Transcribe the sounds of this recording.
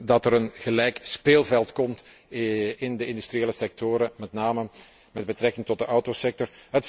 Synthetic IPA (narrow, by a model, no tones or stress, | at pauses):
dɑtəɾənɣəlɛjkspeːlˠvɛlˠtkɔmt | ɪndəɪndystrijeːləsɛk̚toːɾəmɛtnaːmə | mɛd̚bətrɛkɪŋtɔt̚dəʔɔwtosɛk̚tɔrɦət